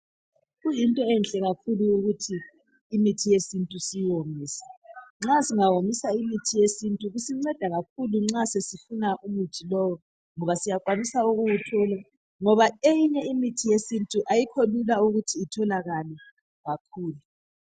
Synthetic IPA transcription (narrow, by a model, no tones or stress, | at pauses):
ɣujintʼɔɛnɬʼɛɣakʰuluuɣutʰiː | mitʰijesintʼusijwombiːsɛ̥ŋ͡ǁasiŋawomisaimitʰijesintʼuɣusiŋ͡ǀɛd̥ʱaɣak̚ʰuluŋ͡ǁasesifunaʔumutʰilɔwɔ | ŋɔβasijakʼwanisauɣuwutʰɔːla | ŋɔβaejiɲɛimitʰijesintʼuʔajikʰolulauɣutʰiːtʰɔlaɣalɛ | ɣakʰuːlu